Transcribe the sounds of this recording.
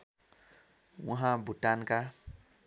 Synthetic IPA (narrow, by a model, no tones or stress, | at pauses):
wãɦãbʱuʈanka